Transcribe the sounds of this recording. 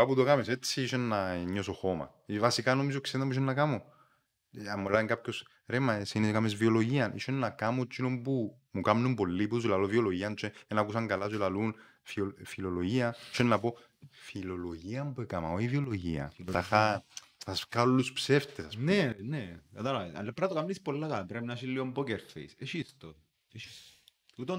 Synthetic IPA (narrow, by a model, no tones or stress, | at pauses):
apuðokameset̪t͡siiʃenːaɲːosoxoma̰ | ivasikanomis̬okseðmbuiʃ̬onːakamo | amːolaeŋkapços | ɾemaesineskamezvioloʝianʔḭʃenːakamot͡ʃːinompu | mukamnumpolːipus̬ulalovioloʝiant͡ʃeenakusaŋɡalas̬ulalun | fiofiloloʝiaiʃenːapo | filoloʝiampoekama̰oivioloʝḭa̰axa | t̪askalːuspseft̪esasnɛnɛat̪anaa̰lepɾat̪okamnispolːat̪apɾɛmnaʃilːioumpɔkɛɾt̪fḛseʃist̪o | eiut̪o